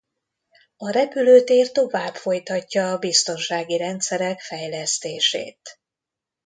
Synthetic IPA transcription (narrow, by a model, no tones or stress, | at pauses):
ɒɾɛpyløːt̪eːrt̪o̞vaːbfo̞jt̪ɒcːɒːbist̪o̞nʃaːɡiɾɛnt̪sɛɾɛkfɛjlɛst̪eːʃḛːt̪